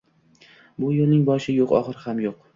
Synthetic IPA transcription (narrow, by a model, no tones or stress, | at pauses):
bʊjolnɪŋbɒʃɪjoqɒ̰χɨɾhamjoq